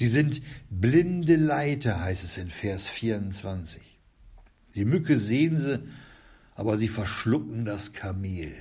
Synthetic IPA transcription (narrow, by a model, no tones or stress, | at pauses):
ziːzɪntblɪndəlaɪtɐhaɪstɛsɪnfɛɐsfiːɐʊnt͡sv̥ant͡sɪ̥ç | d̥iːmʏkəzeːənzə | ʔa̰ːbɐziːfɛɐʃlʊkŋ̩daskʰameːl